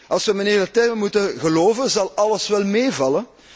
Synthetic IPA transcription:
ʔɑlˠsʋəməneːdətɛrmənmutəɣəloːvənzɑlˠɑləsʋɛlˠmeːvɑlən

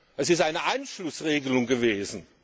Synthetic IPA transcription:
ʔɛsɪstʔaɪnəʔaɪnʃlʊsʁeːɡəlʊŋɡəveːzn̩

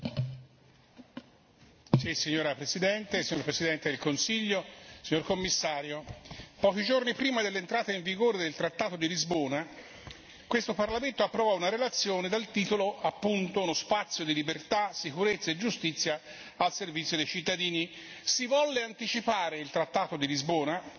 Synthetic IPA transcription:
sisiɲːoːɾapɾesid̪ɛnt̪esiɲːoɾpɾesid̪ɛnt̪ed̪elkonsiʎːosiɲːorkomːisːaːɾjopɔːk̟id͡ʒornipɾiːmad̪elːent̪ɾaːt̪eiɱviɡoːɾed̪elt̪ɾat̪ːaːt̪od̪ilizboːna | kwest̪oparlament̪oapːɾovɔunaɾelat̪sːjoːned̪alt̪iːt̪oloapːunt̪ounospat̪sːjod̪ilibert̪asikuɾet̪sːaed͡ʒust̪it̪sːja | alservit̪sjod̪ejt͡ʃit̪ːad̪iːni | sivɔlːeant̪it͡ʃipaːɾeilt̪ɾat̪ːaːt̪od̪ilizbɔːna

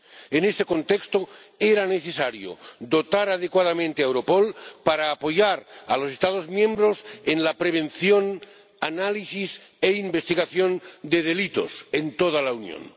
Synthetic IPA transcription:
enest̪e̞ko̞nt̪ekst̪oeɾaneθesaɾjo̰d̪o̞t̪aɾað̞ekwað̞amẽnt̪eaewɾo̞polpaɾaːpo̞ʝaɾalo̞sest̪að̞ozmjẽ̞mbɾosenlapɾeβ̞e̞nθjon | analisiseimbe̞st̪iɣaθjond̪e̞ðe̞lit̪o̞̰sent̪oð̞alaunjo̰n

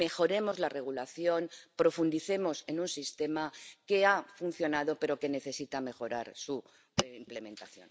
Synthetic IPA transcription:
me̞xo̞ɾe̞mo̞zlare̞ɣ̞ulaθjo̞npɾo̞fund̪iθe̞mo̞se̞nunsist̪e̞make̞afun̟θjo̞naðo̞pe̞ɾo̞ke̞ne̞θe̞sit̪ame̞xo̞ɾaɾsu | eimple̞mẽ̞nt̪aθjo̞̰n

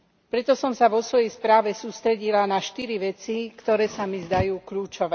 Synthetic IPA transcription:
pɾɛt̪ɔsɔmsaʋɔsʋɔjɛjspɾaːʋɛsuːst̪ɾɛɟilanaʃt̪iɾiʋɛt͡sikt̪ɔɾɛːsamizd̪ajuːkʎuːt͡ʃɔʋɛː

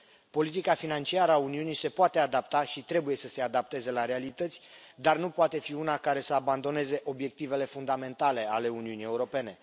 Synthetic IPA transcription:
po̞lit̪ikafinant͡ʃiaɾəauniunise̞poat̪e̞ad̪apt̪aʃit̪ɾe̞buje̞səse̞ad̪ap̚t̪e̞ze̞laɾe̞alit̪ət̪sʲd̪arnupoat̪e̞fiunakaɾe̞səaband̪o̞ne̞ze̞ʔo̞bje̞k̚t̪ive̞le̞fund̪ame̞nt̪ale̞ale̞uniunije̞uɾo̞pe̞ne̞

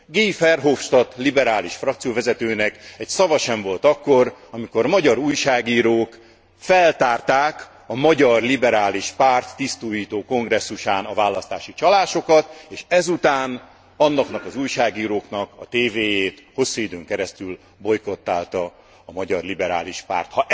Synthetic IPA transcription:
ɡeifɛrɦofʃt̪ɒt̪libɛɾaːliʃfrɒk̚t̪sijoːvɛzɛt̪øːnɛkɛcsɒvɒʃɛɱvo̞lt̪ɒkːo̞rɒmiko̞rmɒɟɒɾuːjʃaːɡiːɾoːk | fɛlt̪aːrt̪aːk | ɒmɒɟɒrlibɛɾaːliʃpaːrt̪ːist̪uːjiːt̪oːko̞ŋɡrɛsːuʃaːnɒvaːlːɒst̪aːʃit͡ʃɒlaːʃo̞kɒt̪eːʃɛzut̪aːn | ɒnːɒknɒkɒzuːjʃaːɡiːɾoːknɒkɒt̪eːveːjeːt̪ho̞sːuid̪øːŋkɛɾɛst̪yl | bo̞jko̞t̪ːaːlt̪ɒː | mɒɟɒrlibɛɾa̰ːliʃpa̰ːrt̪hɒ

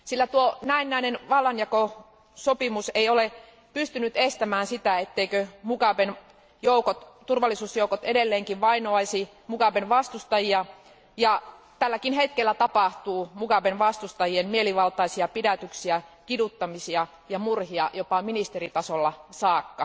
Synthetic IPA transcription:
silːæt̪uonæinːæinenʋɑlːɑnjɑko | sopimuseiole | pyst̪ynyt̪est̪æmæːnsit̪æet̪ːeikømukɑʋen | joukot̪t̪urʋɑlːˑisuːsjoukot̪edelːeːŋkiʋʋɑinoɑisi | mukɑʋenʋɑst̪ust̪ɑjiɑ | jɑ | t̪ælːækinhet̪kelːæt̪ɑpɑht̪uːmukɑʋenʋɑst̪ust̪ɑjienmieliʋɑlt̪ɑisiɑpidæt̪yksiækidut̪ːɑmisiɑ | jɑmurhiɑjopɑminist̪erit̪ɑsolːɑsɑːkːɑ

